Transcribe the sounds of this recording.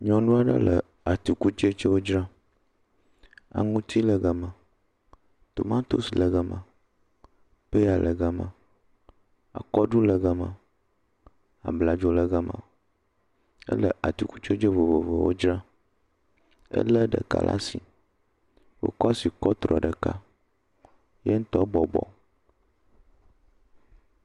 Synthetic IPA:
ɲɔ̃˨nũ˦a˦ɖə̰˦lə˨ | a˨t̪u˨ku˦t͡ʃe˦t͡ʃe˦wo˦d͡ʒɾa˦ | a̰˨ŋũ˦t̪ʰi˦lə˨ɡa˨mã˨ | t̪o˨mã˦t̪o˦si˨lə˨ɡa˦mã˨ | pə˦ja˨lʔə˨ɡa˦mã̰˨ | a̰˨kɔ˦ɖu˦lə˨ɡa˦mã̰˨ | a̰˨bla˨d͡ʒo˦lə˦ɡa˦mã̰˨ | ə̰˦lə˨ʔa˨t̪u˨ku˦t͡ʃo˦d͡ʒe˦vo˨vo˨ve˨wo˦d͡ʒɾa˦ | ə̰˦lə˦ɖə̰˨ka̰˦lʔa̰˦si˨ | wo̰˦kɔ˦a˦si˨kɔ˦t̪ɾɔ˨ɖə˨ka̰˦ | je˦ŋ̩˦t̪ɔ˦bɔ˨bɔ̰˨

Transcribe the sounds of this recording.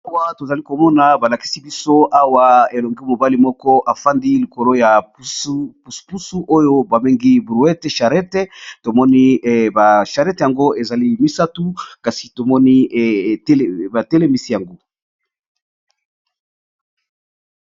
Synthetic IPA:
a˦wa˦˨to˨za˨li˦ko˨mɔ˦na˨ba˨la˨ki̥˦si˦bi˦so˦ʔa˦wa˦e˨lo˨ŋɡi˦mo˨ba˦li˨mɔ˦kɔ˦ʔa˨fa˦ndi˦li˨ko˨lo˦ja˨pu˦u˨spu˦su˦ʔo˦jo˦ba˨me˦ŋɡi˦bu˨ɛ˦te˦ʃa˨ʁɛ˦te˦to˨mɔ˦ni˦ba˨ʃa˨ʁɛ˦tja˨ŋɡo˦e˨za˨li˦mi˦sa˦tu˦ka˨si̥˨to˨mɔ˦ni˦˨˦ | ba˨te˦le˦mi˨si˦ja˨ŋɡo˦

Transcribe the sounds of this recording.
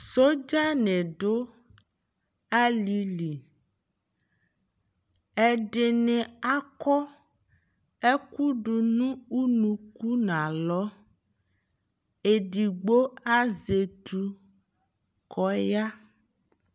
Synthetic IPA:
so˦d͡ʒa˦nɛ̃˨ɖo˦ | a˦li˨li˨ | ɛ˨ɖe˨nẽ˨a˦kɔ˦ | e˦ku˦ɖu˨nũ˦u˦nũ˨ku˦nã˨lɔ˦ | e˨ɖi˨ɡ͡bo˦a˦ze˨t̪u˨ | kɔ˦ja˦

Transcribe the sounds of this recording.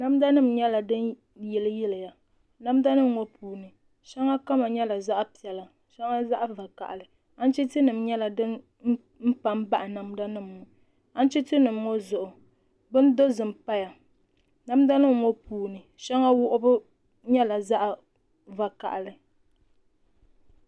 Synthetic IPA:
na˦m˦da˦nɨ˦˨m̩ɲɛ˦la˨dɨ˦n | jɛ˨lɨ˦jɛ˦lɨ˨ja˨ | na˦mda˦nɨ˦m˨ŋɔ˦pʰuː˨nɨ˨ | ʃɛ˦ŋa˦ka˦ma˨ɲɛ˦la˨za˦ʔpi˨ɛ˨la˨ | ʃɛ˦ŋa˦za˦ʔva˨ka̰˨ʔlɨ˨ | a˦n̩˦t͡ʃi˦tɨ˦nɨ˨mɲɛ˦la˨dɨ˦n | m̩˦ | m̩˦pa˦m˦ba˦ʔa˨na˨m˦da˦nɨ˦mː˨ʊ˨ | a˦n˦t͡ʃi˦tɨ˦nɨ˨m˦ŋɔ˦zʊ˨ʔʊ˨ | bɨ˦n˦do˦zɨ˨m̩˨pa˦ja˨ | na˦m˦da˦nɨ˦˨ŋɔ˦puː˨nɨ˨ | ʃɛ˦ŋa˦wʊ˦ʔʊ˦bɨ˦ | ɲɛ˦la˨za˦ʔa˨ | va˨ka̰˨ʔlɨ˨

